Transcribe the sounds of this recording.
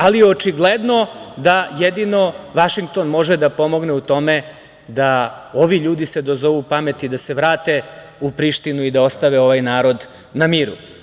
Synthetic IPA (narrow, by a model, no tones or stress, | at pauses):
alieot͡ʃiɡled̪no̞d̪ajed̪ino̞ʋaʃiŋɡk̚t̪o̞nmo̞ʒed̪apo̞mo̞ɡneut̪o̞me̞ | d̪a | o̞ʋiʎuːd̪ise̞d̪o̞zo̞ʋupame̞t̪id̪ase̞ʋɾaːt̪e̞ | upɾiʃt̪inuid̪ao̞st̪aʋeo̞ʋajnaːɾo̞d̪ | namiːɾṵ